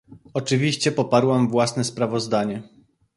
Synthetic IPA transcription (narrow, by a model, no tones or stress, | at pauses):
ɔt͡ʂɘvʲiɕt͡ɕɛpɔpaɾwamvwasnɛspɾavɔzd̪aɲɛ